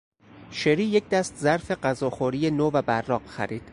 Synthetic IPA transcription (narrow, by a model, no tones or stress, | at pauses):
ʃeɾiːjecʰd̪æst̪zæɾfe̞ɢæzɒːxoɾije̞noːvæbærːɒːqxæ̰ɾiːd̪̥